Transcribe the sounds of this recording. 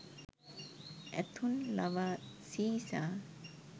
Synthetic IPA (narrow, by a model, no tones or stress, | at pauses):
ɛ̰t̪ʰunla̰ʋasiːsa